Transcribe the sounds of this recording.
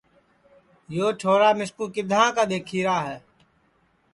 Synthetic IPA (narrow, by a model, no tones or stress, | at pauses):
joːʈʰoːɾaːmɪskuːkɪd̪ʱãːkaːd̪eːkʰiːɾaːɦɛː